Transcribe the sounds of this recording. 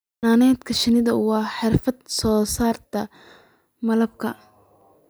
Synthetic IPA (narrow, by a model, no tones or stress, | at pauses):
aːnɛːt̪kʰɐʃɪnɪðɐwɑːħɪrfɐd̪̚sɔːsaːrt̪ʰɐ | mɐlɐb̚kʰɐ